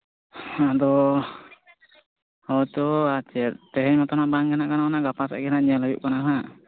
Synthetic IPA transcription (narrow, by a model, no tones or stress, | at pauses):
ad̪ɔ | ɔt̪ɔat͡ʃɛtt̪ɛɦɛɲmat̪ɔnaʔbaŋɡɛnaʔkananaʔɡapasa̰ʔɡɛnaʔɲalɔjṵʔkanaɦaʔ